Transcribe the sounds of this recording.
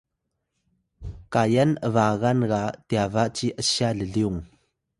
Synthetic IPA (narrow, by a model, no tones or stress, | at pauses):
kajɐnʔəvaːɣanɣaʔt̪iavaʔt͡siʔəsialəliʊŋ